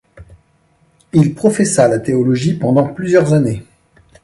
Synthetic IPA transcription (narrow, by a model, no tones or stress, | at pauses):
ilpχɔfɛsalat̪eɔlɔʒipɑ̃d̪ɑ̃plyzjœʁzane